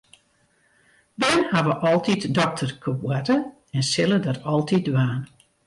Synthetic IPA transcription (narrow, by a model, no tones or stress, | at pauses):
bɛhaʋəʔɔlˠtitdɔk̚tʰərkʰəbwatə | ɛnsɪlədɔtʰɔlˠtʰit̚dʋaːn